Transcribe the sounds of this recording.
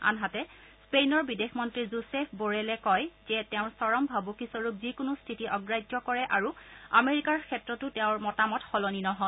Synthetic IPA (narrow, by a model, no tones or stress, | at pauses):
a̰nɦatɛspejnɔɹbidexmɔntɹizusepʰboɹɛlɛkɔjzɛtɛʊ̃ɹsɔɹɔmbʱabukisɔɹupzikʊnʊstʰitiʔɔɡɹajd͡ʒɔkɔɹɛʔaɹua̰meɹikaɹkʰɛtɹɔtʊteʊ̃ɹmɔtamɔtxɔlɔninɔɦɔ